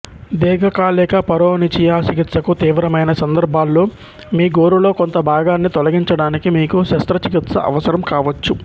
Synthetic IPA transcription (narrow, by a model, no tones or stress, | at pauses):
d̪ɛːɡʱɐkaːlɛːkɐpɐɾoːnit͡ʃijaːt͡ʃikit̪sɐkut̪iːʋɾɐmɐjnɐsɐnd̪ɐɾbʱaːlːoː | miːɡoːɾulo̞ːkont̪ɐbʱaːɡaːnːit̪olɐɡiɲt͡ʃɐɽaːnikimiːkuʃɐst̪ɾɐt͡ʃikit̪sɐ̰ʔɐ̰ʋɐsɐɾɐmkaːʋɐt͡ʃːu